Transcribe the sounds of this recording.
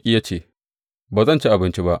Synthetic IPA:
i˦ja˦t͡ʃeː˨ | baː˨zɐ˦˨nt͡ʃe˦ʔa˨bɪ˦nt͡ʃi˦ba˦ʔ

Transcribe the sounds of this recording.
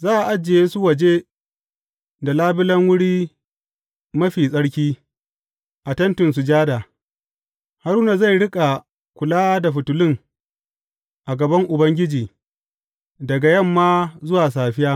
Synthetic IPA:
zaː˦ʔa˨ʔa˦d͡ʒːe˨jeː˦su˦wɐ˨d͡ʒe˦ | da˨laː˦bɪ˦lɐ˦ŋwʊ˦ɽiː˦ | mɐ˦ɸiː˨sʼɐ˦ɽkʲiː˦ | ʔa˨tɐ˦ntʊ˨ns̬u˨d͡ʒaː˦da˨ | ha˦ɾuː˦na˨za˦˨jɽɪ˦kʼa˨ | kʷʊ˨laː˦da˨ɸʊ˨tʊ˨lɪ˦ŋ | ʔa˨ɡɐ˨bɐ˦ŋʔʊ˨bɐ˦ŋɡʲɪ˦d͡ʒiː˨ | dɐ˨ɡa˨jɐ˦˨mːaː˦zʊ˦waː˨saː˨ɸɪ˦jaː˦

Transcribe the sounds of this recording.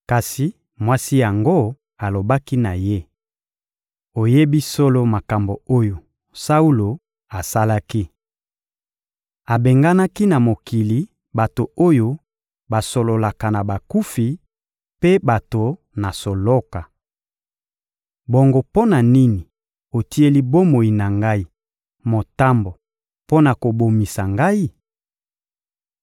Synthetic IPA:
ka˨si˨ | mwa˦si˦ja˨ŋɡo˦ | a˨lo˨ba˦ki˦na˨je˦ | o˨je˦bi˦so˦lo˦ma˨ka˨mbo˨o˦jo˨ | sa˦u˦lo˨ | a˨sa˦la˦ki˦ | a˨be˨ŋɡa˦na˦ki˦na˨mo˨ki˨li˨ | ba˨to˨o˦jo˦ | ba˨so˨lo˨la˨ka˨na˨ba˨ku˦fi˨ | pe˦ba˨to˨ | na˨so˨lo˦ka˨ | bo˨ŋɡo˦po˦na˨ni˦ni˨ | o˨ti˦e˦li˦bo˦mo˨i˨na˨ŋɡa˦i˦ | mo˨ta˦mbo˨ | po˦na˨ko˨bo˨mi˨sa˨ŋɡa˦i˦

